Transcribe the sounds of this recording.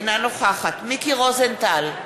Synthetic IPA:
nanoχaχat̪mikiʁozent̪al

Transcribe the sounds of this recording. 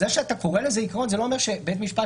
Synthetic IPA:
zeʃeat̪ako̞ʁelezeikaʁo̞nzelo̞ome̞ʁʃebet̪miʃpa

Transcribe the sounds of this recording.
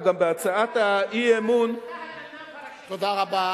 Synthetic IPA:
ɡambeat͡saataiemun | t̪od̪aʁaba

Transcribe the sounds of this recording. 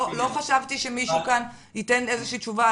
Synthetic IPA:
lo̞χaʃavt̪iʃemiʃukan | hite̞nezeʃiːt͡ʃuva

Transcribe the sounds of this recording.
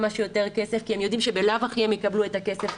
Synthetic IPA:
maʃujote̞ʁke̞sefkiemjo̞d̪imʃebelavaχiemjekabluetake̞se̞f

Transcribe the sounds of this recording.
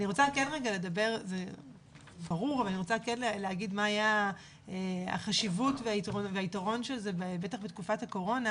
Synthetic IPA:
aniʁo̞t͡sakenʁeɡale̞dabe̞ʁze | baʁuʁavalaniʁot͡sakenleleaɡidmaːja | ea̰χaʃivutveaitʁoveaitaʁo̞nʃelzebebe̞taχbetkufathako̞ʁo̞na

